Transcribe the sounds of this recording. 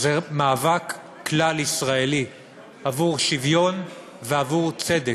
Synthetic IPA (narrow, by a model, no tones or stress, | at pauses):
zemaːvakː | lalisʁaeli | avuʁʃivjo̞n | veavuʁt͡sed̪e